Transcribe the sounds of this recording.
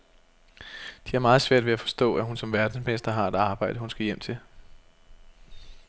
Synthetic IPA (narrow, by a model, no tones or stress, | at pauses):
d̥iæɐmɑ̈ːð̞̩ˠsʋæɐ̰d̥ʋe̝æfɒ̽sd̥ɔ̰̽ːæɦunsɒ̽mʋæɐd̥n̩smesd̥ɐɦɑ̈e̝d̥ɑ̈ːb̥ɑ̈ɪ̰d̥əhunsɡ̥æjem̰t͡sʰe̝l